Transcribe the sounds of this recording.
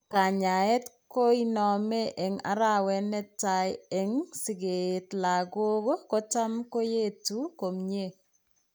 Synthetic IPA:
ka˨ɲa˨ɛ˦tko˦i˦nɔ˨me˦ʔɛ˨ŋa̰˨ɾa˦wɛ˦nɛ˦ta˨jɛ˨ŋsɪ˨ɡe˨tla˨ɡo˦ɡo˦kɔ˦ta˦mko˦je˦tu˦ko˨mɲe˦

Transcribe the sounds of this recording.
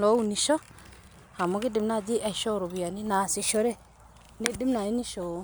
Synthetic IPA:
lo˦u˦˨ni˨ʃo˦ | ha˨mo˨˦ki˦di˨mna˦˨d͡ʒi˦ʔa˨ʃo˦˨ɾo˨bi˨ja˨ni˦na˨si˨ʃo˦ɾe˦ | ni˦di˦mna˨i˦ni˦ʃo˨˦

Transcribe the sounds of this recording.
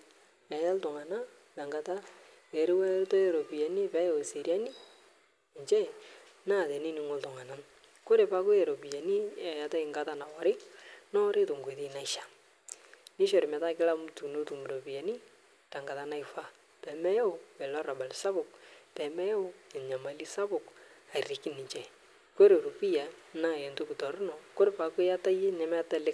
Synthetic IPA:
nɛ˨ja˦ltʊ˨ŋa˨na˦ | ta˨ŋɡa˨ta˦ | ɛ˨ɾɪ˦wɛ˦to˦ɛ˦ɾo˨pi˨ja˨ni˦pɛ˦jo˨si˨ɾja˦ni˦˨ | ɲt͡ʃɛ˦ | na˦˨tɛ˨ni˦ni˦ŋʊ˦ltʊ˨ŋa˨na˦n | kʊ˦ɾe˨pa˦kʊ˦ɛ˨ɾo˨bi˨ja˨ni˦ɛ˨ja˨ta˦ɪ˨ŋɡa˦ta˦na˨wɔ˨ɾɪ˦nɔ˦ɾe˦to˨ŋɡe˨ti˦na˨ɪ˦ʃḁ˨ | nɪ˦ʃɔ˨ɾɪ˨mɛ˨ta˦kɪ˦la˦m˦tu˨no˦tu˨mu˨ɾo˨bi˨ja˨ni˦ | ta˨ŋɡa˨ta˦na˦ɪ˦fa˦ | pɛ˨mɛ˦jɛ˦ʊ˨pɛ˨lɔ˦ra˨ba˨lsa˦bʊ˨k̚pɛ˨mɛ˦jɛ˦ʊ˦ɛ˨ɲa˨ma˨li˦sa˦bʊ˨ka˨ɪ˨rɪ˨kɪ˦nɪ˨t͡ʃɛ˨ | ko˦ɾe˨ɾo˨pi˦ja˨na˦˨ɛ˨nto˦kɪ˨tɔ˨ɾʊ˦nɔ˨ko˦ɾe˨pa˨ke˦ja˦ta˦je˦nɛ˨mɛ˦a˦ta˦lɪ˦k

